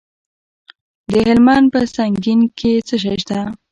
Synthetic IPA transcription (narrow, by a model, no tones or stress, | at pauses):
d̪əhɪlmanpəsaŋɡinket͡səʃ̬ajʃt̪a